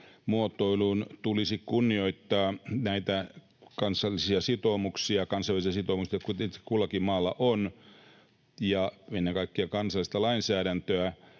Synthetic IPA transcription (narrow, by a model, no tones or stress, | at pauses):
muot̪ːoiluːnt̪ulisikunːioit̪ːɑːnæit̪æ | kɑnsˑɑlːisiɑsit̪omuksiɑkɑnsɑlːˑisiɑsit̪omuksiɑkut̪e̥kulɑkimɑːlːɑʔon | jɑenːeŋkɑikːeɑkɑnsɑlːˑist̪ɑlɑinsæːɾænt̪øæ